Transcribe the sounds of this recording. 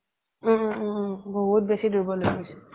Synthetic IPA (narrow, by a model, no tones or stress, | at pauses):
bɔɦut̚besidʱuɹbɔloɡisu̥